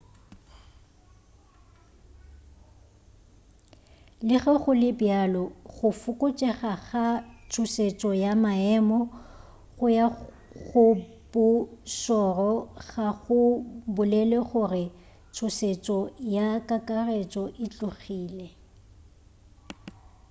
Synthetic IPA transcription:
lɪɣɛχʊlɪbjalɔχʊfʊkʼʊt͡ʃʼɛχaɣat͡sʰʊset͡ʃʼɔjamaɛmɔ | χʊja | ɣʊ | b̥ʊʃɔrɔɣaɣʊbʊlɛlɛχʊrɪ | t͡sʰʊset͡ʃʼɔjakʼakʼaret͡ʃʼɔʔɪt͡ɬʼʊɣiːlɛ

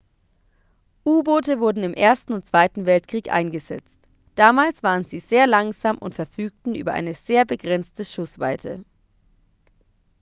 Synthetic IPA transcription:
ʔuːboːtəvʊɐdn̩ɪmʔeːɐstn̩ʊnt̚t͡sv̥aɪtn̩vɛltkʁ̥iːkʔa̰ɪnɡəzɛ̰t͡st | d̥aːmaːlsv̥aːʁ̞ənziːzeːɐlaŋzaːmʔʊ̰ntfɛɐfyːk̚tn̩ʔy̰ːbɐʔa̰ɪnəz̥eːɐbəɡʁɛnt͡stəʃʊsv̥a̰ɪtʰə̰

